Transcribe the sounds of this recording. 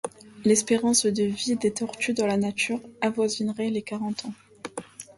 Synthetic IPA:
lɛspeʁɑ̃sd̪əvid̪et̪ɔʁt̪yd̪ɑ̃lanat̪yʁavwazinʁɛlekaʁɑ̃t̪ɑ̃

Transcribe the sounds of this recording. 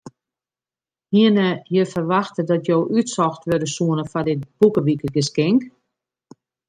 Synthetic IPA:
hiənəjəfərʋaxtədɔtjoːʔytsɔxtʋødəsuənəfadɪt̚b̥ukəʋikəɡəskɪŋk

